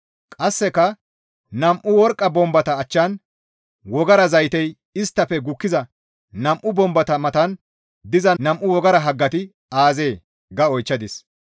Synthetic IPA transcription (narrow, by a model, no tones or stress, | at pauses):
kʼɐsːɛkːɐ | nɐmʔʊwɔɾkʼːɐbɔmbɐt̪ɐːt͡ʃːɐn | wɔɡɐɾɐzɐjt̪ɛj | ɪst̪ːɐfɛɡʊkːɪzɐ | nɐmʔʊbɔmbɐt̪ɐmɐt̪ɐn | d̪ɪzɐnɐmʔʊwɔɡɐɾɐɦɐɡːɐt̪ɪ | aːze̞ː | ɡɐɔjt͡ʃːɐd̪ɪs